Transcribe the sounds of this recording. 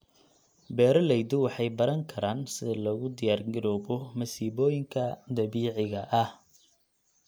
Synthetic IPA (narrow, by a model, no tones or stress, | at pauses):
bɛːɾɐlɛjd̪ʊwɑħɑjbɐɾɐŋkʰɐɾaːnsɪðɐlɐɣʊd̪ɪjaːrɡɪɾɔːbɔmɐsiːβɔːjɪŋkʰɐd̪ɐβiːʕɪɣɐʔɐh